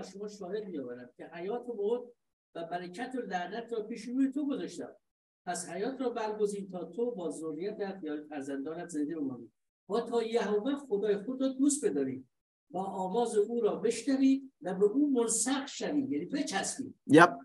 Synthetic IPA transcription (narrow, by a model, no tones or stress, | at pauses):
æzʃo̞mɒːʃɒːhed̪mijɒːvæɾæm̥̚cʲʰe̞hæjɒːt̪ʰobod̪̚ | væbæɾæcʰæt̪ʰelæd̪æt̪ʰɾɒːpiːʃɾuːjet̪ʰo̞ɡozɒːʃt̪æ̰m | pʰæshæjɒːt̪ʰɾɒːbæɾɡo̞ziːmt̪ʰɒːt̪ʰobɒːzorːijæt̪ʰæt̪ʰjɒːfæɾzænd̪ɒːnæt̪zend̪eemɑnḭ̥ː | mɒːt̪ʰɒːjæɦovæxod̪ɒːjexod̪ɾɒːd̪uːst̪̚be̞d̪ɒːɾḭː | mɒːʔɒːmɒːzeʔuːɾɒːbe̞ʃnæviːd̪væbeʔuːmonsæɡʃæviːd̪jæniːpet͡ʃhæst̪ḭː